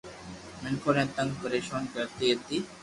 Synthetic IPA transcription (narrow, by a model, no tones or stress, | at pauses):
mɪɳkʰoɾẽːt̪ə̃ŋɡ̚pəɾeːʃoːnkəɾt̪iːət̪iː